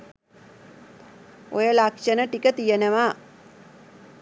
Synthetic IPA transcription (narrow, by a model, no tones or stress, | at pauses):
ojəlakʂənəʈikət̪ijənəʋaː